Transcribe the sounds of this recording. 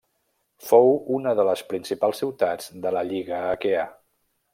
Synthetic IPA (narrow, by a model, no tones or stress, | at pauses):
fowunəðələspɾinsipalˠsːiwt̪ad͡zd̪ələʎiɣəːkea